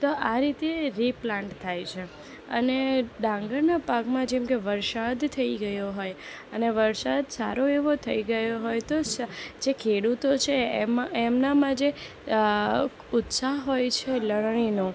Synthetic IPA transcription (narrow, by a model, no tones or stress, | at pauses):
t̪oʔaɾit̪eɾiplãɳʈt̪ʰajt͡ʃʰe | ə̰ned̪ãŋɡəɭnapakmãd͡ʒɛmkeʋəɾsad̪t̪ʰəiɡəjoɦoj | əneʋəɾsad̪saɾoeʋot̪ʰəiɡəjoɦojt̪osd͡ʒekʰeɽut̪ot͡ʃʰemaemnamãd͡ʒe | ʊt̪saɦɦojt͡ʃʰeləɽɳ̃ino